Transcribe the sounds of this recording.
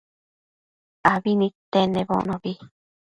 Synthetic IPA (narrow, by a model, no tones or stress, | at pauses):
aβinĩt̪enẽβõ̰ʔnõβi